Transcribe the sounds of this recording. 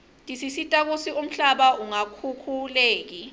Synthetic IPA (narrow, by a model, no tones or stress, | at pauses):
ntʼisisitʼak̬usium̩ɬaɓauŋakʰukʰuleːk̬i